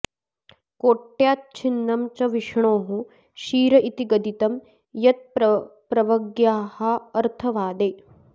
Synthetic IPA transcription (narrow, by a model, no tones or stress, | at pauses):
koːʈːjaːt̪̚t͡ʃʰinːɐmt͡ʃɐʋiʂɳoːɦu | ʃiːɾɐʔit̪iɡɐd̪it̪ɐm | jɐt̪̚ppɾɐʋɐɡjaːhɐɐɾt̪ʰɐʋaːd̪eː